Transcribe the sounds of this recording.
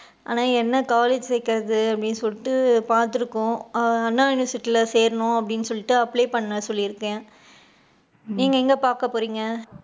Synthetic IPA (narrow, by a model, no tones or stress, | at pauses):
ʔa̰ːnaːɛnːɐkaːleːd͡ʒsɛɪkːɪɾɐðɯɐpːɐɽɪnːsɔlːɪʈːɯpaːɾt̪ɯɾɯkːʊ̃ɐɐnːaːɪnʋɐsɪʈːɪlɐseːɾɐnʊ̃ɐpːɐɽɪnːsɔlːɪʈːɯɐpːleːpɐɳːɐsɔlːiɪɾɯkːẽː | niːŋɡɐɛŋɡɐpaːɾkɐpːoːɾiːŋɡɐ